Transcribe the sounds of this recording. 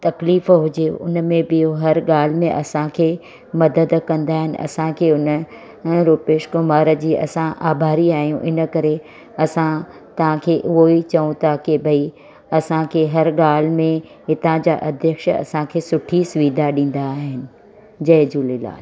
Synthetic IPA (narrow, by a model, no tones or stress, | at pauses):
t̪ɐkliːfɦʊd͡ʑeʊ̰nmẽbɪjoɦɐɾɠaːl̤ɪmẽʔɐsãkʰeː | mɐd̪əd̪kɐ̃nd̪aːɦɪnɪ̆ʔɐ̰sãkʰeːʊn | ɾuːpeːʃkomaːɾə̆d͡ʑiːʔɐ̰sãʔaːbʱaːɾiaːɦijũʔɪnə̆kɐɾe | ɐsã | t̪ɐʋ̤ãkʰeːʔʊɦoit͡ɕɐũt̪ʰakɪbʱɐi | ɐsãkʰeːɦɐɾɡaːl̤mẽ | ɦɪt̪ãd͡ʑa̰ːʔɐd̪ʱjəkʃɐ̰sãkʰeːsʊʈʰisʋiːd̪ʱaɗĩːn̆d̪aːɦɪnɪ̆ | d͡ʑɐːɪd͡ʑuːlɪla̰ː